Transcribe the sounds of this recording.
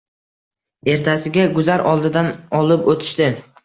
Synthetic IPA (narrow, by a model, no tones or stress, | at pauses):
e̞ɾt̪ʰasɪɡʲaɡʊzaɾʔɒlˠd̪ɪd̪anɒlˠɪpot̪ʰɪ̥ʃt̪ɪ